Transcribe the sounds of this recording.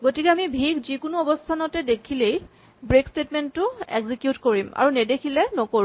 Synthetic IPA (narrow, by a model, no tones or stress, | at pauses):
ɡotikɛamibʱikzikʊnʊɔbɔstʰanɔtɛdekʰilej | bɹekstetmɛnʊḛɡzikjutkoɹima̰ɹunɛdekʰilɛnɔkoɹm